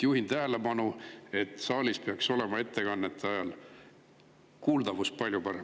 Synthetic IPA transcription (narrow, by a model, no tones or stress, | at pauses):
juɦint̪æɦele̞pɑnue̞t̪ˑsɑːlʲispe̞ɑkso̞le̞mɑe̞t̪ːe̞kɑnːet̪ʰːˑeɑjɑl | kuːld̪ɑvus̚pɑlʲjupɑɾem